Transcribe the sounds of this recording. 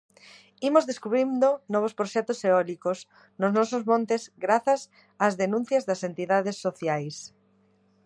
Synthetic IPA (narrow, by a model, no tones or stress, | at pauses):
imozðeskuβɾind̪ʊnɔβ̞ospɾoʃɛt̪ʊseɔlikos | nʊznɔsozmõnt̪ezɡɾaθɐs | azðenũn̟θjɐzðɐsent̪iðaðesːoθjajs